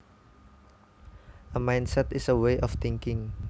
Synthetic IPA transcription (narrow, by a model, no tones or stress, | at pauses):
ʔəmajnsɛt̪ɪsəweʔɔft̪ɪŋkɪŋ